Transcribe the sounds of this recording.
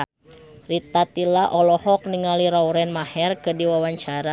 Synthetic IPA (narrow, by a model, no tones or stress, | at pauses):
rit̪at̪ilaʔɔlɔhɔk̚niŋaliɾauɾɛnmahɛrkədiwawaɲt͡ʃaɾa